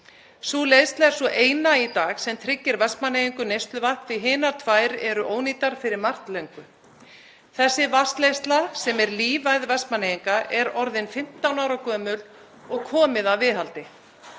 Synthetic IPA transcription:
suːlejst̪laɛɾ̥svɔʔeːjnait̪aːɣsɛmt̪ʰɾɪcːɪɾvɛspmanejiŋkʏnejst̪lʏvahp̪vɪɦɪːnaɾ̥t̪ʰvaːjɾɛɾʏʔoːwniːt̪aɾ̥fɪɾɪɾmar̥t̪leɥŋkʏ | θɛsːɪvast̪lejst̪lasɛmɛɾliːvajðvɛspmaneːjiŋkaʔɛɾɔɾðɪnfɪm̥t̪awnawɾakʰœːmʏl | ɔɣkʰɔːmɪðaðvɪðɦalt̪ɪ

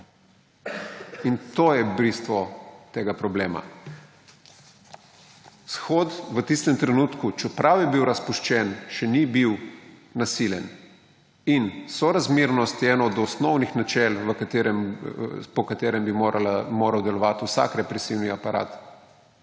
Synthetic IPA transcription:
int̪oːjɛbɾist̪ʋɔt̪eːɡapɾɔbleːma̰ | sxot̪ʋət̪ist̪ɛmt̪ɾɛnuːt̪kut͡ʃɛpɾawjɛbiwɾaspuʃt͡ʃɛnʃɛnibiwnasiljɛn | insɔɾazmiɾnɔst̪jɛːnɔːd̪ɔsnɔwnixnat͡ʃɛlʋəkat̪eɾɛmpɔkat̪eːɾɛmbiɾalamoːɾawd̪ɛlɔʋat̪uwsa̰kɾɛpɾɛsiwniapaɾa̰ːt̪

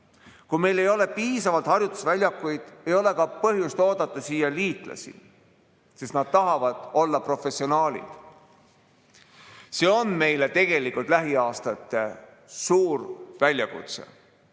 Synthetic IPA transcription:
kume̞jle̞jo̞le̞piːsɑvɑlt̪hɑrjut̪ːˑu̥svælʲjɑkːˑujd̪̥e̞jo̞le̞kɑpɤɦjust̪oːd̪̥ɑt̪ːˑɑsiːjɑliːt̪ˑlɑ̰sḭ | sisnɑd̪̥̚t̪ɑɦɑvɑd̪̥o̞lːɑpro̞fe̞sio̞nɑːlʲḭd̪̥ | se̞ːo̞nme̞jle̞t̪e̞ɡ̥e̞likːˑult̪ˑlæɦiɑːst̪ɑt̪ːˑe̞ | suːrvælʲjɑkṵt̪sḛ

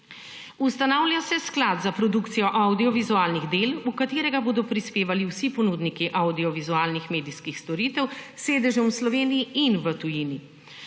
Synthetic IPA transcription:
ust̪anawlʲjasɛsklad̪zapɾɔd̪ukt̪sijɔʔawd̪iɔʋizuaːlniɣd̪eːlukat̪eːɾɛɡaboːd̪ɔpɾispeːʋaliwsipɔnud̪nikiʔawd̪iɔʋizuaːlnixmeːd̪iskixst̪ɔɾiːt̪ɛwseːd̪ɛʒɔmwslɔʋeːnijiinʋət̪ujini

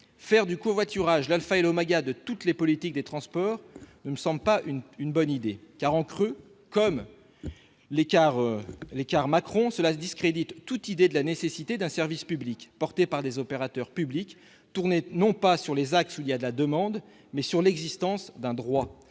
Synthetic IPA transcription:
fɛʁd̪ykɔ̃vwat̪yʁaʒlalfaɛlomaɡad̪ət̪ut̪lepɔlit̪ik̚d̪et̪χɑ̃spɔːʁnəməsɑ̃bləpaʔynynbɔnid̪ekaʁɑ̃kχø | kɔm | lekaʁlekaʁmakχɔ̃səlad̪iskχed̪it̪ːut̪id̪ed̪əlanesesit̪ed̪ɛ̃sɛʁvispyblikpɔʁt̪epaʁd̪ezɔpeʁat̪œʁpyblik | t̪uʁnenɔ̃pasyʁlezaksuilijad̪əlad̪əmɑ̃d̪ | mɛsyʁlɛɡzist̪ɑ̃sd̪ɛ̃d̪ʁwa

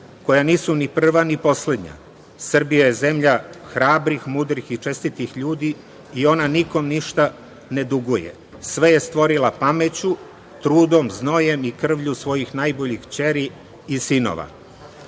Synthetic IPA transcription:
ko̞janiːsunipr̩ʋanipo̞sle̞d̪ɲa̰ | sr̩bijaje̞ze̞mʎaxɾaːbɾixmud̪ɾixit͡ʂe̞st̪it̪ixʎuːd̪iː | o̞naniko̞mniʃt̪a | ne̞d̪uɡujḛ | sʋe̞je̞st̪ʋo̞ɾilapamet͡ɕu | t̪ɾuːd̪o̞mzno̞je̞mikr̩ʋʎusʋo̞jixnajbo̞ʎixt͡ɕe̞ɾiː | sino̰ʋa̰

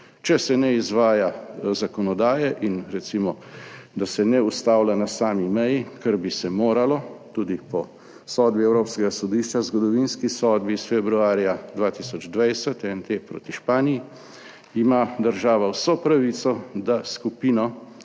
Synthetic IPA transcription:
t͡ʃɛsɛnɛizʋaːjazakɔnɔd̪aːjɛʔinɾɛt̪simɔd̪asɛnɛust̪awlanasaːmimɛjikəɾbisɛmoːɾalɔt̪uːd̪ipɔ | sɔd̪biɛwɾoːpskɛɡasɔd̪iːʃt͡ʃazɡɔd̪ɔʋinskisɔd̪bisfɛbɾuaːɾjad̪ʋaːt̪isɔd͡ʒd̪ʋajsɛt̪ɛnt̪eːpɾo̰ːt̪iʃpaːniji | imad̪əɾʒaːʋawsɔpɾaʋiːt̪sɔd̪askupiːnɔ

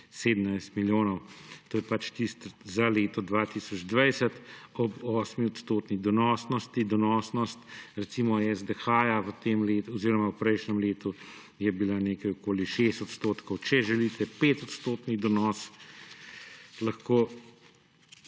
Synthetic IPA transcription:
seːd̪ənajst̪miljoːnɔwt̪oːjɛpat͡ʃt̪ist̪zaleːt̪ɔd̪ʋat̪iːsɔd͡ʒd̪ʋajsət̪ɔbɔːsmiɔt̪st̪oːt̪nid̪ɔnɔːsnɔst̪id̪ɔnɔːsnɔst̪ɾɛt̪siːmɔɛzd̪ɛxaːjaʋət̪eːmleːt̪ɔziːɾɔmawpɾɛjʃnɛmleːt̪u | jɛbilaneːkajɔkoːliʃeːst̪ɔt̪st̪oːt̪kɔwt͡ʃɛʒɛlit̪ʰɛpeːt̪ɔt̪st̪oːt̪nid̪ɔnɔːs | lɐxkoː

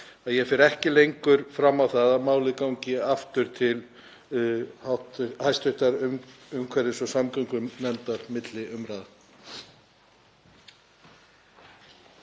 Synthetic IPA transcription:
aðjɛfɛɾɛhcɪlejŋkʏɾ̥fɾamːawθaðamaːwlɪkawɲcɪaft̪ʏɾ̥t̪ʰɪl | at̪hajst̪ʏht̪aɾʏmʏmkʰvɛɾɪsɔsamkaŋkʏmnɛnt̪aɾmɪt̪lɪʔʏmɾaːða

